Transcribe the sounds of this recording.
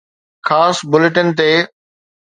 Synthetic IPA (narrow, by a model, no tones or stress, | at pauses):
xʰaːsbʊlɪʈən̆t̪eː